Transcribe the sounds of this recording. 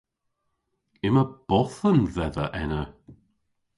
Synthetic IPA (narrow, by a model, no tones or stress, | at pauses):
ɪməb̥ɔθənðɛðə̰ʔɛnə